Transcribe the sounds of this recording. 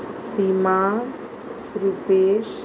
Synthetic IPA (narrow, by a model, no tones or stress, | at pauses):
sima | ɾupeːʃ